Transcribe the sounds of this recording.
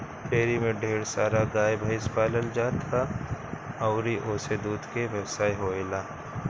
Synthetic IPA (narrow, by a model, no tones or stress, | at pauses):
t̪eːɾimẽɖʱeːɽsaːɾaɡaːjbʱɐɪspaːləld͡ʒaːt̪ʰa | ɐʊɾiʔoːsed̪uːd̪ʱkeʋɛwsaːjɦoːelaː